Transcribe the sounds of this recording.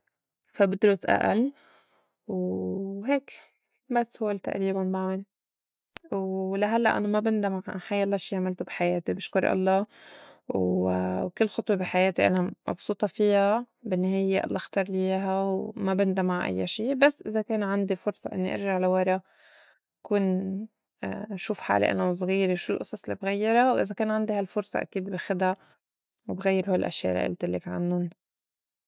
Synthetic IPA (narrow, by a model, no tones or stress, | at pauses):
fabɪd̪ɾusʔa̰ʔa̰l | wɦeːk | basːhʊwːelt̪a̰ʔɾiːbanbaʕan | wlaɦalːa̰ʔa̰namabɪnd̪amaʕħajːʔɑlːɑʃiːʕamɪlt̪ubħajeːt̪ibɪʃkʊɾˤʔɑ̰lˤːɑː | wwkɪlːxʊt̪ˤwebiħajeːt̪iʔa̰namʔɑ̰bsˤuːt̪ˤɑfiːha | bɪnːaɦeːjeʔɑ̰lˤːɑʔxt̪ɑɾˤlɪjeːɦawmabɪnd̪amaʕʔa̰jːaʃiːbasːʔɪzakeːnʕand̪ifʊɾsˤɑ̰ʔɪnːiʔɪ̰ɾʒaʕlawɑɾˤɑ | ʔakuːn | ʃuːfħa̰ːlḭʔa̰naws̬ˤɣiːɾewʃulʔʊsˤɑsˤɪlːibɣajːɑɾˤawʔɪzakeːnʕand̪ihalfʊɾsˤɑ̰ʔa̰kiːd̪bɪxɪd̪a | wbɣajːɪɾhuːllʔa̰ʃja̰ʔla̰ʔɪ̰lt̪ɪlːɪkʕa̰nːʊn